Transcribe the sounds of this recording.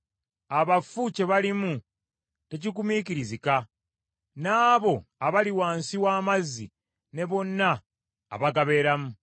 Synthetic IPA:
aβafuce̞βalimu | te̞cikumiciɾizika | naːβo̞aβaliwaːnsiwaːmazːḭ | ne̞βo̞nːa̰ː | βaɡaβe̞ːɾamu

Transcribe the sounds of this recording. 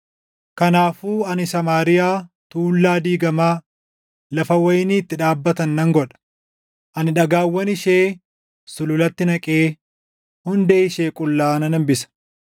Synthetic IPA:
kɐnaːfuːɐnɪsɐmaːɾɪjaː | t̪uːlːaːd̪iːɡɐmaː | lɐfɐwɐjɪniːt̪ːɪᶑaːbːɐt̪ɐnːɐŋɡɔᶑɐ̥ | ʔɐnɪᶑɐɡaːwːɐnɪʃeː | sʊlʊlɐt̪ːɪnɐkʼeː | hʊnd̪eːɪʃeːkʼʊlːaːɐnɐnɐmbɪsɐ̥

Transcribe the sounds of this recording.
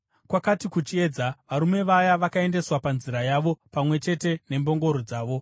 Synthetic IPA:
kwakatikut͡ʃie̞ːd͡zaʋaɾume̞ʋajaʋakae̞nde̞swapanziɾajaʋo̞pamwe̞t͡ʃe̞te̞ne̞mbo̞ŋɡo̞ɾod͡zaːʋo̞

